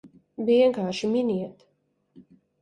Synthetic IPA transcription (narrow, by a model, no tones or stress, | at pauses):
viɛŋkaːʃiminiɛt̪